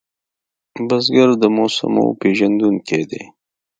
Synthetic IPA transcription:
bazɡaɾd̪əmosa̰mo̰peʒand̪unkʰed̪ḛ

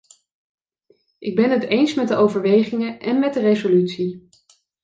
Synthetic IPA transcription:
ʔɪɡ̚bɛnɦətejnsmɛtdəʔowvəɹʋejχɪŋəʔɛnmɛdərezolytsi

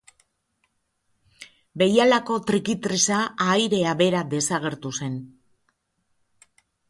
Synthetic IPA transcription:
be̞jalako̞t̪ɾikit̪ɾisaaːjɾe̞aβe̞ɾad̪e̞saɣ̞e̞ɾt̪use̞n

